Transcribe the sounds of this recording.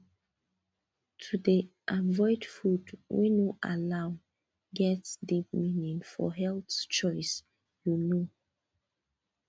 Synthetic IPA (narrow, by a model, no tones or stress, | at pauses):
tʰudiʔavɔɪdfudwɛ̃nuʔa̰laʊ | ɡɛtsdip̚minĩŋfɔ̰ɦɛltt͡ʃɔɪs | juno